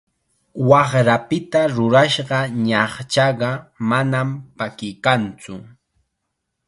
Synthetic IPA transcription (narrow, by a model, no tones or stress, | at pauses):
wɑχɾapɪt̪aɾʊɾaʃɢɑɲɑχt͡ʃɑɢɑmanampakɪjkant͡sʊ